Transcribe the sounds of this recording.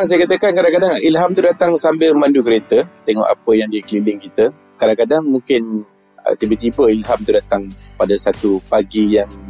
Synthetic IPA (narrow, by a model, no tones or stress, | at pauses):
ŋs̬ajəkat̪əkankadaŋkadaŋilɦamt̪udat̪aŋsambɪlmandukəɾet̪ət̪ɛŋɔ̰ʔa̰pəjaŋdikəlilɪŋkit̪ə | kadaŋkadaŋmuŋkɪn | ə̰t̪ibət̪ibəilɦamt̪udat̪aŋpadəsat̪upaɡijaŋ